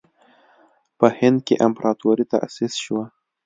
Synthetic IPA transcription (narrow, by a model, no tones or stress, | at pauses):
pəhɪnd̪̚kḛʔampɾat̪oɾit̪a̰ʔa̰sisʃwa